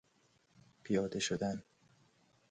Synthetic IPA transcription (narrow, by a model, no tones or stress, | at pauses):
pʰijɒːd̪eʃod̪æn